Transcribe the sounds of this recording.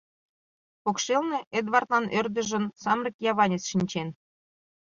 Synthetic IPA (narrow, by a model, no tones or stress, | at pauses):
pokʃelneʔed̪βɑrt̪lɑnʔørd̪ə̆ʒə̆nsɑmrikjɑβɑnʲet͡sʃinʲt͡ɕen